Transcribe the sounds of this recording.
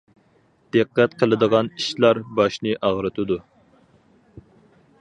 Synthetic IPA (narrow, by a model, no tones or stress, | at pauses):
d̪̥ɨqːɛt̪qʰəlˠɨd̪əʁɑniʃlˠɑɾbɑʃnɨʔɑʁɾɨt̪ʰud̪u